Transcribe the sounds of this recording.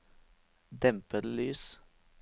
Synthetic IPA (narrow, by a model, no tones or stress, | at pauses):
d̪ɛmpəɾlyːs